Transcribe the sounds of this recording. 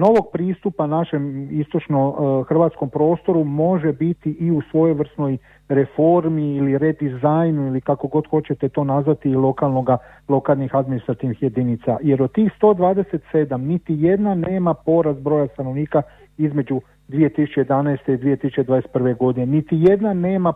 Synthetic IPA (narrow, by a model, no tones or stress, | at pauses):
no̞ʋo̞ɡ̚pɾiːst̪upanaʃe̞mist̪o̞t͡ʃnoxr̩ʋaːt̪sko̞mpɾo̞ːst̪o̞ɾumo̞ʒebit̪iʔiusʋo̞jojʋr̩sno̞j | ɾe̞fo̞ɾmiːliɾed̪izajnuilikako̞ɡo̞d̪xo̞t͡ɕe̞t̪e̞t̪o̞ːnazʋat̪iːlo̞kalˠno̞ɡa | lˠo̞kaːlnixad̪minist̪ɾat̪iʋnixje̞d̪init̪saje̞ɾod̪̚t̪ːiːxst̪o̞ːd̪ʋaːd̪e̞se̞t̪se̞d̪amnit̪ije̞d̪nane̞ːmapo̞ɾazbɾo̞jast̪ano̞ʋniːka | izme̞d͡ʒu | d̪ʋije̞t̪isu̥t͡ʃejed̪anaest̪e̞id̪ʋije̞t̪isut͡ʃe̞d̪ʋaːdeset̪prʋe̞ɡo̞d̪inenit̪ije̞d̪nane̞ːma